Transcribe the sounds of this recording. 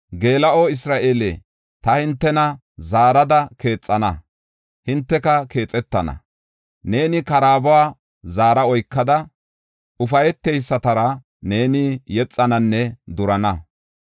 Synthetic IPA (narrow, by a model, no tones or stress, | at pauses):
ɡe̞ːlɐʔoːɪsɾaːʔe̞ːle | t̪ɐhɪnt̪ːɛnɐ | zaːɾɐd̪ɐke̞ːt͡sʼːɐnɐ | hɪnt̪ːɛkɐke̞ːt͡sʼɛt̪ːɐnɐ̰ | ne̞ːnɪkɐɾaːbʊwaː | zaːɾɐɔjkːɐd̪ɐ | ʊfɐjɛt̪ːejsːɐt̪ɐɾɐ | ne̞ːnɪjɛt͡sʼːɐnɐnːɛd̪ʊɾɐnɐ